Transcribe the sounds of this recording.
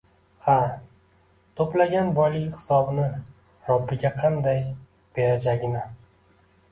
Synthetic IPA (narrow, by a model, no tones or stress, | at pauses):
ha | t̪ʰoplaɡʲanbɒjlɪkʲhɪ̥sɒbɪnɪ | ɾɒbːɪɡʲaqʰɑnd̪aj | b̥e̞ɾad͡ʒaɡʲɪnɪ